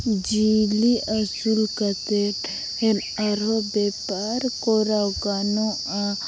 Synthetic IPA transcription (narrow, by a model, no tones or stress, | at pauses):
d͡ʒiliɐsulkɐt̪eʈ | en | aɾobepaɾkoɾawɡano | a